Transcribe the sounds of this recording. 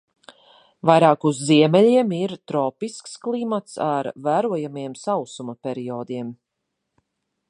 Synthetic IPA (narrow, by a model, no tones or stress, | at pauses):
vajɾaːkuzːiɛmɛlʲiɛmiɾt̪ɾɔːpisksklˠimat̪saɾvæːɾuɔjamiɛmsawsumɐpʲɛɾiɔːd̪iɛm